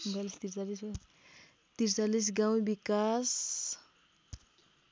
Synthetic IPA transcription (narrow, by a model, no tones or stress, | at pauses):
balist̪iɾt͡salis | t̪iɾt͡salis̬ɡaw̃bikas